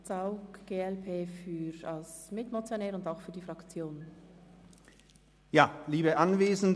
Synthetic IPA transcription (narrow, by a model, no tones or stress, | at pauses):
t͡saʊkɡ̥eːɛlpʰeːfyɾɑlsmɪtmot͡sjonɛːɾʊndaʊxfyːɐdiːfʁɑkt͡sjoːn | jaːliːbəʔanveːzn̩